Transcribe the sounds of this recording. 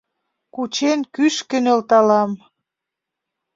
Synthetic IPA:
kut͡ɕenkyʃkə̆nelt̪ɑlɑm

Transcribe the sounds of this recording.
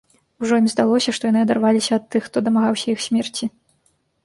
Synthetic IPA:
wʐɔimzd̪alˠɔsʲɐʂt̪ɔjanɨɐd̪arvalʲisʲɐɐt̪ːɨxːt̪ɔd̪ɐmaɣawsʲɐixsʲmʲɛrt͡sʲi

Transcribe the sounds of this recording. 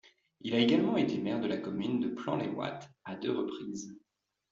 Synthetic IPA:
ilaeɡalmɑ̃et̪emɛʁd̪əlakɔmynd̪əplɑ̃lḛwa̰t̪ad̪øʁəpχiːz

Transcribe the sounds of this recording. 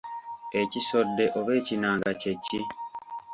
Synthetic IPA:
e̞ciso̞dːe̞ʔoβe̞ːcinaːŋɡace̞ci

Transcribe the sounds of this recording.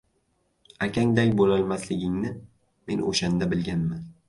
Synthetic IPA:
akʲʰaŋd̪akʲbolalˠmaslɪɡʲɪŋnɪ | me̞̰nʔo̰ʃand̪abɪlɡʲanman

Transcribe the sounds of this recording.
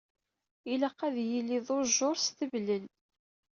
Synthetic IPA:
iləqːæðjilːiðˤoɾʒoɾˤsθəvləl

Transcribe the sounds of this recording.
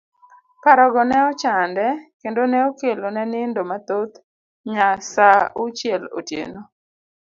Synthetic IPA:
paɾɔɡɔnɛɔt͡ʃandɛkendonɛokelonɛnɪndomat̪ot̪ | ɲasaut͡ʃjɛlo̰tjḛno

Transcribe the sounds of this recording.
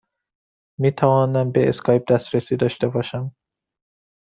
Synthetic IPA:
miːt̪ʰævɒːnæmbeeskʰɒːjp̚d̪æst̪ɾesiːd̪ɒːʃt̪ebɒːʃæm

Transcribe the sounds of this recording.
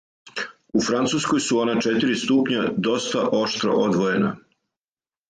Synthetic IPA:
ufɾant̪suːskojsuo̞nat͡ʃet̪iɾist̪upɲad̪o̞st̪aʔo̞ʃt̪ɾo̞̰ʔod̪ʋoje̞na̰

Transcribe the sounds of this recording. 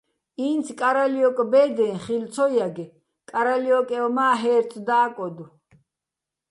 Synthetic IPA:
iːnt͡sʰkʼaɾaliɔkʼbɛːd̪ɛ̃ːχilt̪t͡sʰɔjaɡɛ | kʼaɾaliɔkʼɛɔmaːɦɛːɾt͡s̪ʰd̪aːkʼɔd̪u

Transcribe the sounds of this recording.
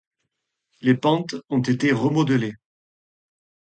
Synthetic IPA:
lepɑ̃t̪ɔ̃t̪et̪eʁəmɔd̪əle

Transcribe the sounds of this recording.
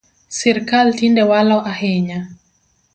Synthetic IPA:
sɛɾkaltindɛwalaʔahɛɲa

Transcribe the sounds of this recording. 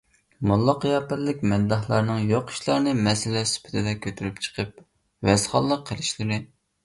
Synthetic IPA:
mulˠːɑqjɑːpæɾlɪkʲmɛd̪ːɑhlˠɑɾnɨŋjoqi̥ʃlˠɑɾnɨmɛsɪlɛsy̥pʰɪ̥t̪ʰɪd̪ɛkʲʰːøt̪ʰyɾypt͡ʃʰə̥qʰəp̚ | wɛsχɑlˠːəqʰːəlɪʃlɨɾɨ

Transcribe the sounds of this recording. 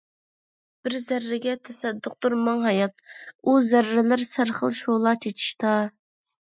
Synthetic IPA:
b̥ɪɾzæɾːɪɡʲɛt̪ʰɛsɛd̪ːʊq̚t̪uɾmɑŋɦɑjɑt̪̚uzæɾːɪlɪɾsæɾχə̰lˠʃolˠɑt͡ʃʰet͡ʃʰi̥ʃt̪ɑ

